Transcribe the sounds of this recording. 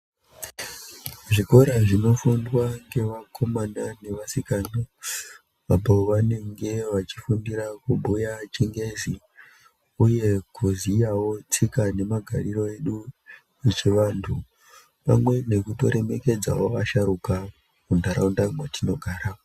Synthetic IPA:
ʐiko̞ɾaʐino̞fundwaŋɡe̞ʋakʰo̞manane̞ʋasikano | ʋabaʋane̞ŋɡe̞ʋat͡ʃi̥fundiɾakubʱujat͡ʃiŋɡe̞zi | uje̞kuzijawo̞t͡sikane̞maɡʱaɾiro̞e̞ɗu | it͡ʃeʋantʰu | pa̰mwe̞ne̞kuto̞̰ɾe̞me̞ke̞d͡za̰woaʃaɾuka | kundʱaɾaundamwetʰino̞ɡʱaːɾa

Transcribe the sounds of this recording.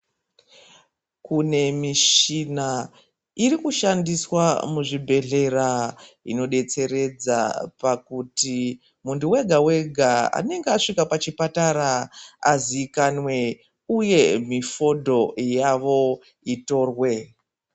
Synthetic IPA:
kune̞miʃina | iɾikuʃandiswamuʐibʱe̞ɮe̞ɾaḭno̞ɗe̞t͡se̞ɾe̞d͡za̰pakuti | muntuwe̞ɡʱawe̞ɡʱaa̰ne̞ŋɡeaʂikapat͡ʃipataɾaaziːkanwe̞ | uje̞mifo̞dʱo̞jaʋo̞ | ito̞ːrwe̞

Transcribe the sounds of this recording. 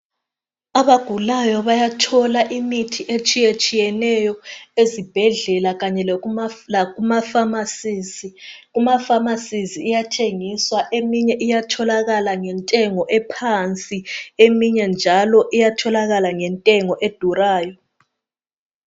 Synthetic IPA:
aβaɡ̥ʱulajɔβajatʰɔlaʔimitʰiʔet͡ʃʼijet͡ʃʼijɛnɛjɔezib̥ʱɛɮɛlaɣaɲɛlaɣumafamasiiɣumafamasiziːjatʰeŋiswaʔemiɲɛʔijatʰɔlaɣalaŋɛntʼɛŋɔʔɛpʰant͡sʼiemiɲɛnd͡ʒʱalɔʔijatʰɔlaɣalaŋɛntʼɛŋɔʔed̥ʱuraːjɔ

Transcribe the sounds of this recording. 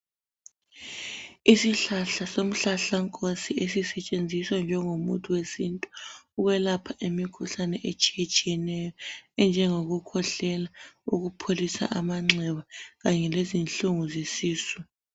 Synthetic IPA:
isiɬaɬasom̩ɬaɬaŋkʼosiesisɛt͡ʃʼend͡zʱiswand͡ʒʱɛŋumutʰʼuwesintʼu̥ːɣwɛlapʰaʔemikʰuɬanɛʔet͡ʃʼijet͡ʃʼijɛnɛjɔɛnd͡ʒʱɛŋoɣukʰɔɬɛlauɣupʰolisa̰ʔamaŋ͡ǁʱɛβaɣaɲɛlezinɬuŋuzisiːsu

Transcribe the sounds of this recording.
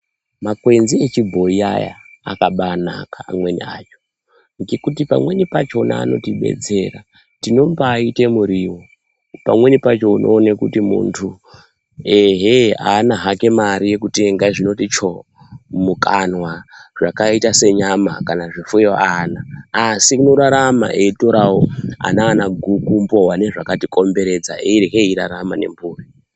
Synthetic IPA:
makwe̞nziet͡ʃibʱo̞ia̰ja̰ːkaɓana̰kaamwe̞nḭa̰t͡ʃo̥ | ŋɡekut̬ipa̰mwe̞nipat͡ʃo̞na̰ːno̞̰tiɓe̞̰t͡se̞ra | tino̞mbaːite̞muɾiwo | pamwe̞nipat͡ʃo̞unʔo̞ːnekutimṵntʰu | eɦea̰ːnaɦake̞maɾije̞kuteŋɡaʐino̞tit͡ʃo̞ | mukanwaʐ̥akaitase̞ɲamakanaʐifujoanaːsikuno̞ɾaɾama̰ʔeito̞ɾawoa̰naːnaɡʱukumbo̞wane̞ʐakatikʼo̞mbe̞ɾe̞d͡za̰eireɦeiɾaɾamane̞̰mbuːri

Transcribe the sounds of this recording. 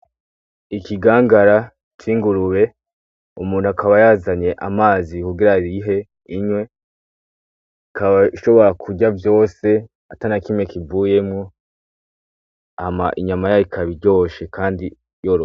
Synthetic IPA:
ikiɡaːŋɡaɾa | t͡ʃʰiːŋɡuɾuɾe̞ | umuːn̥huakaβajazaɲe̞ʔamaːzikuɡiɾaɾiɦe̞ | iɲwe̞ | kaβaʃo̞βo̞ɾakʰuɟavjo̞ːse̞ | atanakimwekivuːje̞mŋo̞ | hama̰ʔiɲamajajikʰaβiɾɟo̞ːʃe̞kaːndi | jo̞ɾo

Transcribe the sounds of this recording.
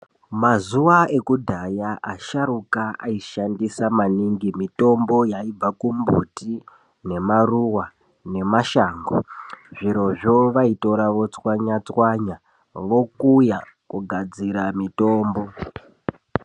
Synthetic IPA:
mazuʋae̞kudʱajaʔaʃarukaaiʃandisamaniŋɡimito̞mbo̞jaib͡vakumbṵti | ne̞maruwa | ne̞maʃaːŋɡo̰ʐiɾo̞ʐoʋaito̞ɾaʋo̞t͡swaɲat͡swaɲa | ʋo̞kuja | kuɡʱad͡ziɾamito̞ːmbo̞

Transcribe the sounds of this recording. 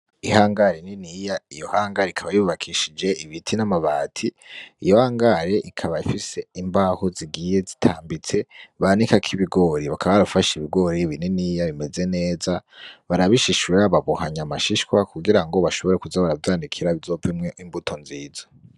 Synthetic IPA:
ihaːŋɡaɾininijaijo̞haːŋɡaɾeikʰaβajuβakʰiʃid͡ʒe̞iβitʰinamaβaːtʰiijo̞haːŋɡaɾe̞ʔikʰaβaifise̞imbaːhoziɡije̞zi̥tʰaːmbit͡se̞βanikakʰiβiɡo̞ɾiβakʰaβaβaafaʃiβiɡo̞ɾiβininiːjaβime̞ze̞ne̞ːzaβaɾaβiʃiʃweaβaβuhaɲamaʃiʃkwakuɡiɾaŋɡo̞βaʃo̞βo̞ɾe̞kuzaβaɾavjaːndikʰiɾaizo̞ːvimŋeimbutʰo̞nziːzo

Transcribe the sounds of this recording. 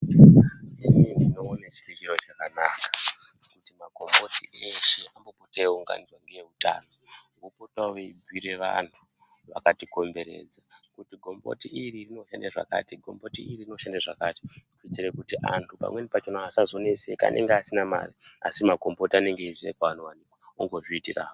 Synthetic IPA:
inindinoːnet͡ʃi̥ikirot͡ʃakanaːkḁ | kutimaɡʱo̞mbo̞tieʃe̞ambopoteeuŋɡa̰nizwanɡeje̞ɦuta̰ːno̞ŋɡopotaʋeibʱwiɾe̞ʋa̰n̤u | ʋa̰katiko̞mbe̞ɾe̞̰ːd͡zakutiɡʱo̞mbo̰tiiɾirino̞ʃandaʐa̰ka̰ːtiɡʱo̞mbo̞tiiririno̞ʃandaʐa̰kaːti̥kuitiɾe̞kutiʔa̰ntʰupa̰mwe̞nipat͡ʃonaasazo̞neseka̰nʔe̞̰ŋɡeasinama̰riasimaɡʱo̞mbo̞tiane̞ŋɡeizekaʋanowanikwa | oŋɡo̞ʐiːtira̰ːo

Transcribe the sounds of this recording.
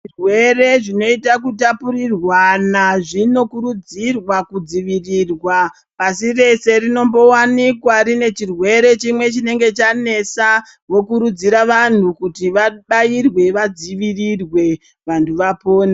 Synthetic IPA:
rwe̞re̞ʐino̞itak̬utapuɾirwanaʐino̞kuɾud͡zirwakud͡ziʋirirwa | pasire̞se̞rino̞mbo̞wanikwarine̞t͡ʃirwe̞ɾe̞t͡ʃimwe̞t͡ʃine̞ŋɡe̞t͡ʃane̞sa | ʋo̞kuɾud͡ziɾaʋan̤ukutiʋaɓairwe̞ʋad͡ziʋirirwe̞ | ʋantʰuʋapoːna

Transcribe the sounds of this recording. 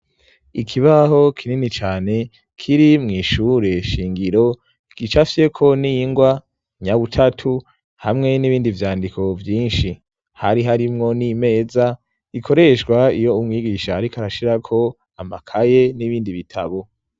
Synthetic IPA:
ikʰiβaho̞kʰininit͡ʃaːne̞ | kʰiɾimŋiːʃuːɾe̞ʃiːŋɡiɾo̞ | ɡ̥it͡ʃafise̞kʰo̞niŋɡwa | ɲaβutʰatʰu | hamŋe̞niβiːndivjaːndikʰo̞vjiːnʃi | haɾiɦaɾimŋo̞nime̞ːza | ikʰo̞ɾe̞ʃɡwaijo̞umŋiːɡiʃaːɾikaɾaʃiɾakʰo̞ | amakʰaje̞niβiːndiβitʰa̰βo̞

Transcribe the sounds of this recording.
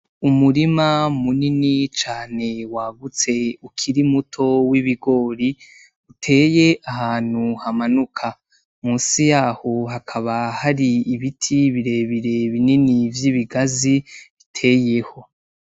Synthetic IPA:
umuɾimamuninit͡ʃaːne̞waːɡut͡se̞ukʰiɾimutʰo̞wiβiɡo̞ːɾi | utʰe̞ːje̞ʔahaːn̥huhamanukʰa | muːsijaːho̞ɦakʰaβahaɾiiβitʰiβiɾe̞βiɾe̞βininivjiβiɡaziβitʰe̞ːje̞ho̞

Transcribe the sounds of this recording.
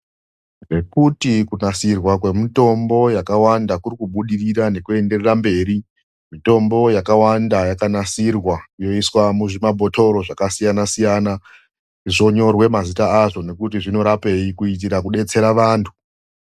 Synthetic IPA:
re̞kutikunasirwakwe̞mito̞mbo̞jakawandakurikuɓuɗiriɾane̞kue̞nde̞rerambe̞ːɾi | mito̞mbo̞jakawandajakanasirwaijo̞iswamuʐimabʱo̞to̞ɾo̞ʐakasijanasijana | ʐiʐo̞ɲo̞rwe̞mazitaaʐo̞ne̞kutiʐino̞ɾape̞ikuit̬iɾakuɗe̞t͡se̞ɾaʋaːntʰu̥

